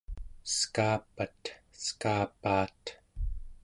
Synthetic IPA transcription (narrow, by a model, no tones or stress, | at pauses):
skaːpat̪skaːpaːt̪